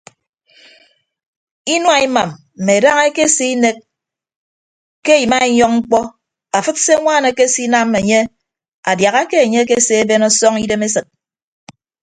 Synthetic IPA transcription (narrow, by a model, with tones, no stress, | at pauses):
i˦nwa˨i˦ma˨m | m̩˨me˨da˦ŋe˦ke˦si˦i˦ne˦k̚ | e˦˨ji˨ma˦i˦ɲɔ˦k̚ŋ͡m̩˦k͡pɔ˦ | a˨fɨ˦tse˦ŋʷaː˦˨ne˨ke˦si˦na˦m˦me˨ɲe˦ | a̰˨dja˨ɣa˦ke˦e˨ɲe˦k̬e˦se˦e˦be˦nɔ˦sɔ˦ŋi˦de˦me˦sɨ˨t̚